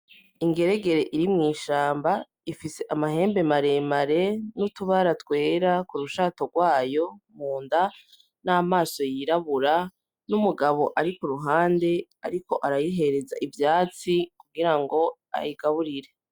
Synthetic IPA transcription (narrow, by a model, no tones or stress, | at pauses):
iŋɡe̞ɾe̞ɡe̞ɾe̞ʔiɾimŋiːʃaːmba | ifise̞ʔamaɦe̞ːmbe̞maɾe̞maɾe̞nutuβaɾatwe̞ːɾakuɾuʃaːtoɡwaːjo̞muːnda | naːmaːso̞jiɾaβuɾa | numuɡaβo̞ʔaɾikuɾuɦaːnde̞a̰ɾiko̞ʔaɾajiɦe̞ɾe̞za̰ʔivjaːt͡sikuɡiɾaŋɡo̞ | a̰jiɡ̥aβuɾiɾe̞